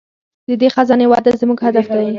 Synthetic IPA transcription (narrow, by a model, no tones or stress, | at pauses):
d̪əd̪exazɑnewɑd̪azmuɡhad̪afd̪aj